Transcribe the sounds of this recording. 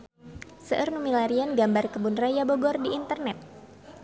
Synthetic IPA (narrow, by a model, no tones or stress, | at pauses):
səʔərnumilaɾianɡambarkəbunrajabɔɡɔrdiʔːnt̪ərnɛt̪̚